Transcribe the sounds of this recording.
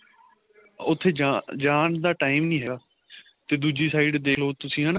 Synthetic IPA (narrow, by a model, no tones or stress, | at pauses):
ʊt̪ʰːeːd͡ʒaːnd̪aːʈaːimnĩːɦɛɡaː | t̪eːd̪uːd͡ʒiːsaːiːɖd̪eːkʰloːt̪ʊsĩːɦaːna